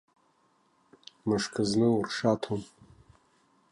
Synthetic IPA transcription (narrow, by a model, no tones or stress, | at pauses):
mɨʂkʰɨznɨurʂatʰom